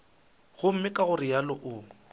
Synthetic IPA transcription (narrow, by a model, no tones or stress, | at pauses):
ɣʊm̩mɪkʼaɣʊrɪjalɔʔʊ